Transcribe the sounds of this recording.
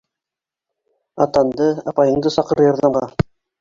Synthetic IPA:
ɑ̰t̪ɑnd̪ɤɑpɑjɤ̆ɴd̪ɤsɑqɤ̆ɾɤjɑ̆ɾðɑɴʁɑ

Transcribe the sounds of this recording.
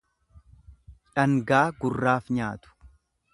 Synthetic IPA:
ᶑɐŋɡaːɡʊrːaːfɲaːt̪ʊ̥

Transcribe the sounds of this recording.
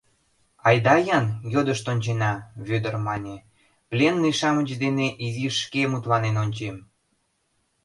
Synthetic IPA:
ɑjd̪ɑjɑnjod̪əʃt̪onʲt͡ɕenɑβød̪ərmɑnʲe | plʲenliʃɑmət͡ɕd̪eneʔiziʃkemut̪lɑnenonʲt͡ɕem

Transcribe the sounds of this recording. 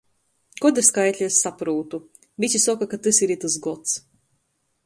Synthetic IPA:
kɔd̪ɨɾʲskajt̪ʲlʲisːapɾuːt̪u | vʲit͡ʃʲisɔkakat̪ɨsiɾit̪as̬ɡɔt̪s

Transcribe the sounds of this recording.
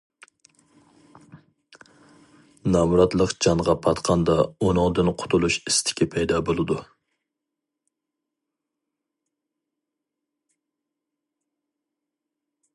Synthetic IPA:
nɑmɾɑt̪lˠəqd͡ʒɑɴʁɑpʰɑt̪qʰɑnd̪ɑunʊŋd̪ɨnqʰʊ̥t̪ʰulˠuʃi̥st̪ʰɪ̥kʲipʰɛjd̪ɑbolˠɨd̪u

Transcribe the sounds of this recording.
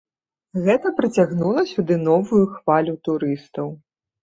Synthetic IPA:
ɣɛt̪ɐpɾɨt͡sʲaɣnulˠɐsʲud̪ɨnɔvujuxvalʲut̪uɾɨst̪ɐw

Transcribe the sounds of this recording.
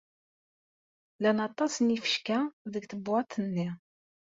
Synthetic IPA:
lænɑt̪ˤɑsnifə̥ʃkæðəɡθəbːɑt̪ʰːənːi

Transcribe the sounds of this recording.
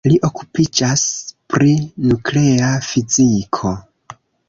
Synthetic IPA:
liʔo̞ku̥pid͡ʒaspɾinukle̞afizikʰo̞

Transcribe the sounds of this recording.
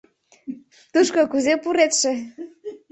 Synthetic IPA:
t̪uʃkokuzepuɾet̪ʃĕ

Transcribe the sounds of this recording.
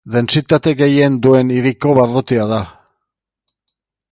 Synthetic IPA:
d̪e̞nsit̪at̪e̞ɣe̞je̞nd̪ue̞niɾiko̞βaɾðot̪iaða

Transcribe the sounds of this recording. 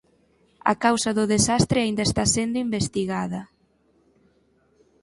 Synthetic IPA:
ɐ̰kawsɐðʊðesast̪ɾɪaind̪ɐest̪asend̪ʊimbest̪iɣaðɐ

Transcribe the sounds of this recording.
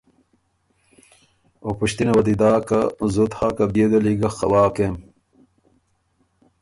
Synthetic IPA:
opuɕt̪inɐwɐd̪id̪aːkɐzut̪haːkɐbed̪eliɡɐxɐ̰waːkem

